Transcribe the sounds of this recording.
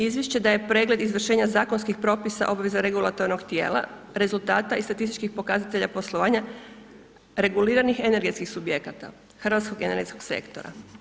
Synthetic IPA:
izʋjeʃt͡ɕed̪aje̞pɾe̞ːɡle̞d̪izʋr̩ʃe̞ːɲazaːkonskixpɾo̞ːpisa̰ʔo̞bʋe̞zaɾeɡulˠat̪o̞ɾnoɡt̪je̞̰ːlˠa̰ | ɾe̞zulˠt̪aːt̪aist̪at̪ist̪i̥t͡ʃkixpo̞kazat̪e̞ʎapo̞slˠo̞ʋaːɲa | ɾe̞ɡuliːɾanixe̞ne̞ɾɡe̞t̪skixsubje̞kat̪a̰ | xr̩ʋat̪sko̞ɡene̞ɾɡe̞t̪skoɡse̞̰kt̪o̞̰ɾa̰

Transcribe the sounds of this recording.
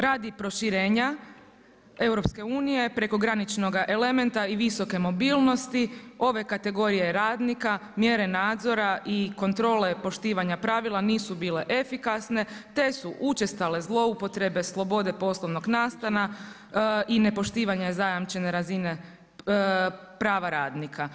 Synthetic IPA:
ɾaːd̪ipɾo̞ʃiɾeːɲa | e̞wɾo̞pske̞uːnije̞pɾe̞ko̞ɡɾanit͡ʃno̞ɡaʔe̞le̞me̞nt̪aiʋiso̞ke̞mo̞biːlˠno̞st̪io̞ʋe̞kat̪e̞ɡo̞ɾije̞ɾaːd̪nikamje̞ɾe̞naːd̪zo̞ɾaʔiko̞nt̪ɾo̞ːle̞po̞ʃt̪iːʋaɲapɾaːʋilˠaniːsubiːle̞ʔefikasne̞t̪e̞suʔut͡ʃe̞st̪ale̞zlˠo̞upo̞t̪ɾe̞be̞slˠo̞bo̞d̪e̞po̞slˠo̞ʋnoɡnaːst̪ana | ine̞po̞ʃt̪iːʋaɲazajamt͡ʃe̞ne̞ɾazine̞ | pɾaːʋaɾaːd̪nikʰa

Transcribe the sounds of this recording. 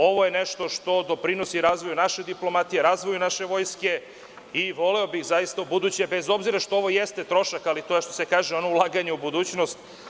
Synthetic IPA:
o̞ʋo̞je̞neʃt̪o̞ʃt̪o̞d̪o̞pɾino̞siɾaːzʋo̞junaʃe̞d̪iplo̞mat̪ijeɾaːzʋo̞junaʃe̞ʋo̞jske̞ | iʋo̞leobixzajist̪aubud̪uːt͡ɕebezo̞bziɾaʃt̪ooʋo̞jest̪et̪ɾo̞ʃakalit̪o̞jeʃt̪o̞sekaːʒeo̞no̞ulˠaɡaɲeubud̪uːt͡ɕno̞st̪

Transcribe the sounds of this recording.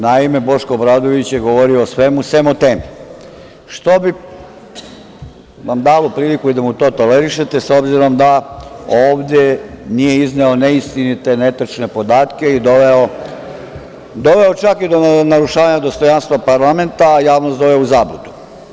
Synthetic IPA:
naime̞bo̞ʃkobɾaːd̪o̞ʋit͡ɕjeɡo̞ʋo̞ɾioːsʋe̞muse̞mot̪eːmi | ʃt̪o̞bi | ʋamd̪alopɾiːlikuid̪amut̪o̞ːt̪o̞leɾiʃe̞t̪eso̞bziɾo̞md̪aoːʋd̪ʲje̞nije̞izneo̞neist̪init̪e̞ne̞t̪r̩t͡ʃne̞po̞d̪aːt̪ke̞id̪oʋeo | d̪o̞ʋe̞ot͡ʃakid̪o̞naɾuʃaːʋaɲad̪o̞st̪o̞janst̪ʋapaɾlame̞nt̪aːjaːʋnosd̪oʋeuzaːblud̪u̥

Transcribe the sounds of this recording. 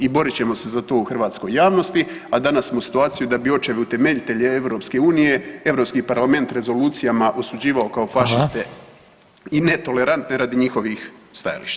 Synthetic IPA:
ibo̞ɾit͡ɕe̞mo̞se̞zat̪o̞uxrʋaːt̪sko̞jːaːʋno̞st̪i | ad̪anasmosi̥t̪uaːt̪sijud̪abio̞t͡ʃeʋeut̪e̞me̞ʎit̪e̞ʎeeʋɾo̞pske̞uːnije̞eʋɾo̞pskipaɾlˠame̞nt̪ɾe̞zo̞luːt̪sijamaʔo̞sud͡ʑiːʋao̞kao̞faʃist̪e̞ | ine̞t̪o̞le̞ɾant̪ne̞ɾaːd̪iɲixo̞ʋixst̪aja̰lḭʃt̪ḁ

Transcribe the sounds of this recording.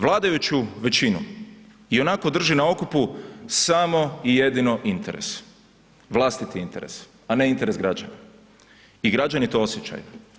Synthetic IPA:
ʋlˠaːd̪ajut͡ʃuʋe̞t͡ɕinu | io̞nako̞d̪r̩ʒinao̞kupusamo̞ije̞d̪ino̞ʔint̪e̞ɾe̞̰s | ʋlˠast̪it̪iint̪e̞ɾe̞̰s | ane̞int̪e̞ɾe̞sɡɾad͡ʒa̰na̰ | iɡɾad͡ʒanit̪o̞o̞sjet͡ɕa̰ju

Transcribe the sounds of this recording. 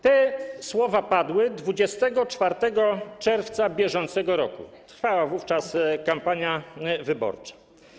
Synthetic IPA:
t̪ɛswɔvapad̪wɘd̪vud͡ʑɛst̪ɛɡɔt͡ʂfaɾt̪ɛɡɔt͡ʂɛɾft̪sabʲjɛʐɔnt̪sɛɡɔɾɔkṵt̪ɾfawavuft͡ʂaskampaɲjavɘbɔ̰ɾt͡ʂḁ

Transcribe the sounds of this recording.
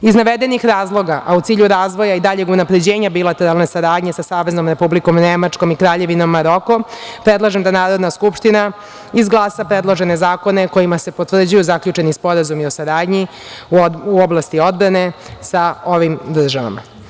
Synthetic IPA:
iznaʋed̪enixɾaːzlˠo̞ɡaʔaut̪siːʎuɾaːzʋo̞jaid̪aʎe̞ɡunapɾe̞d͡ʑe̞ːɲabilat̪e̞ɾalˠne̞saɾaːd̪ɲesasaːʋezno̞mɾe̞publiko̞mnemat͡ʂko̞mikɾaːʎe̞ʋino̞mːaɾo̞ko̞pɾed̪lˠaʒemd̪anaːɾo̞d̪naskupʃt̪ina | izɡlˠaːsapɾe̞d̪lˠo̞ʒe̞ne̞zaːko̞ne̞ko̞jimase̞pot̪ʋr̩d͡ʑujuzakʎut͡ʃe̞nispo̞ɾazumio̞saɾaːd̪ɲi | uoblˠast̪io̞d̪bɾane̞saoʋimd̪r̩ʒaʋa̰ma̰

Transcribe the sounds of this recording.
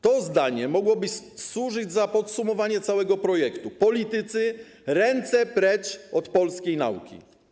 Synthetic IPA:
t̪ɔzd̪aɲɛmɔɡwɔbɘswuʐɘd͡ʑzapɔt̪sumɔvaɲɛt̪sawɛɡɔpɾɔjɛkt̪upɔlʲit̪ɘt̪sɘ | ɾɛnt̪sɛpɾɛt͡ʂɔt̪pɔlskʲejna̰ṵkʲḭ

